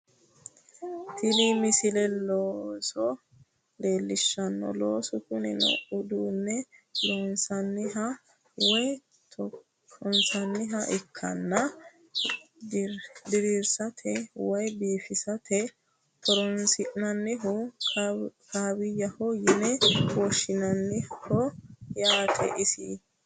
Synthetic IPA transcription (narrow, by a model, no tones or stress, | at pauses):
t̪ɪlimɪsɪlɛloːsɔ | le̞ːlːɪʃːɐnːɔ̰loːsʊkʊnɪ̰nɔ̰ʊd̪uːnːɛloːnsɐnːɪɦɐ | wɔj | t̪ɔ | ɔnsɐnːɪɦɐʔɪkʰːɐ̰nːɐ | d̪ɪɾiɾsɐt̪ʰɛwɔjbiːfɪsɐt̪ʰɛ | t̪ʰɔɾɔnsɪʔnɐnːɪɦʊ | kʰaːbɪjːɐhɔjɪnɛwɔʃːɪnɐnːɪhɔjaːt̪ʰʼɛ̰ʔɪsɪ̰